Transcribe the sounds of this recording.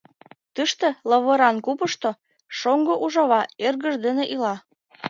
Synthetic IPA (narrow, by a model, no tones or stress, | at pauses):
t̪əʃt̪ĕlɤβɤ̆ɾɑnkupəʃt̪o | ʃoŋɡoʔuʒɑβɑerɣə̆ʒd̪enĕʔilɑ